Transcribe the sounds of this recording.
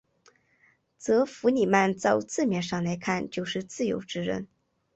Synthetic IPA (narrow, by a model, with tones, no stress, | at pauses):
t͡sɤ˧˥fu˧˥ni˨˩ma˥˧nt͡sɑ˥˧ʊt͡sɹ̩˥˩mjɛ˥˩nʂɑ˥˩ŋla˧˥ɪkʰa˥˧nt͡ɕjo˥˧ʊʂɻ̩˥˧t͡sɹ̩˥˩jo̰˧˥ʊʈ͡ʂɻ̩˥ɻə̰˥˩n